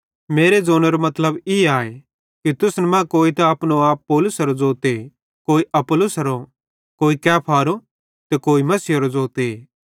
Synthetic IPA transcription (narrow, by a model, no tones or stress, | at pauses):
meːɾed͡zoːnəɾomɐt̪ləbɪaːe | kit̪ʊsnɛmãkoːit̪aɐːpnoaːpːoːlʊsɐɾod͡zoːt̪e | koːiʔɐpʊlʊsɐɾo | koːikɛːpʰaːɾo | t̪ɛkoːimɐsɪjɐɾod͡zoːt̪e